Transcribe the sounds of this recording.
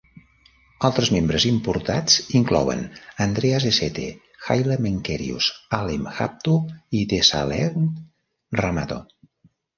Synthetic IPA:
alˠt̪ɾəzmembɾəzimpuɾt̪a̰t͡siŋklɔ̰wə̰nənd̪ɾeazeset̪ḛ | xajlemeŋkɛɾḭṵsalimxa̰p̚t̪uid̪esa̰lɛɣn | ramat̪o̰

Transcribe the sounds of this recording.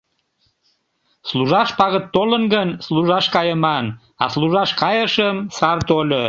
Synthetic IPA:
sluʒɑʃpɑɣət̪ːolənɡənsluʒɑʃkɑjəmɑn | ɑ̰sluʒɑʃkɑjəʃəmsɑrt̪olʲo

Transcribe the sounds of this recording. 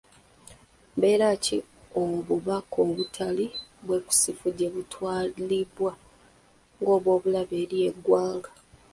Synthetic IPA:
mbe̞ːɾacḭomuβuβakʰoːβutʰaliβwe̞ku̥sifuɟe̞βutʰwaːliliβwa | ŋɡo̞ːβwo̞ːβulaβeːɾie̞ɡwaːŋɡa

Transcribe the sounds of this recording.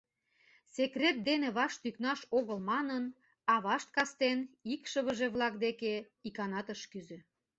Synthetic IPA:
sekret̪̚d̪eneβɑʃt̪yknɑʃoɣəlmɑnən | ɑβɑʃt̪̚kɑst̪enikʃəβəʒeβlɑkd̪eke | ikɑnɑt̪əʃkyzø̆

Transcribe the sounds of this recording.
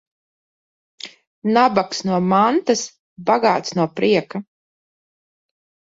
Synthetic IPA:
nabaksnuɔmant̪as | baɡaːt̪snuɔpɾiɛka

